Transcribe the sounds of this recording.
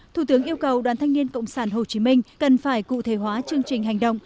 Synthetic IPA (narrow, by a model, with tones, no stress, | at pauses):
t̪ʰu˧˩t̪ɨ˨˦əŋʔi˧əwkə˨˩wɗwaː˨˦nt̪ʰa˧ŋ̟ni˧ənkə̰˧˨wŋ͡msaː˧˩nɦo˨˩t͡ɕi˨˦mï˧ŋ̟kə˨˩nfaː˧˩jkṵ˧˨t̪ʰe˧˩ɦwaː˨˦t͡ɕɨ˧əŋt͡ɕï˨˩ŋ̟ɦa˨˩jŋ̟ɗə̰˧˨wŋ͡m